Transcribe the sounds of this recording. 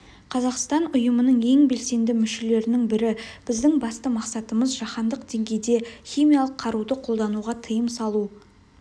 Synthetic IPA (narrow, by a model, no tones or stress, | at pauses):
qʰɑzɑqst̪ɑnʊjəmənəɴe̞ŋbe̞lse̞nd̪ɪmʏʃe̞le̞ɾɪnɪŋbɪɾɪb̥ɪzd̪ɪŋbɑst̪əmɑqsɑt̪əməzʒɑχɑnd̪əqd̪e̞ŋɡʲe̞jd̪e̞χʲimʲijɑlˠəqʰːɑɾud̪əqʰolˠd̪ɑnuʁɑt̪ʰəjəmsɑlˠu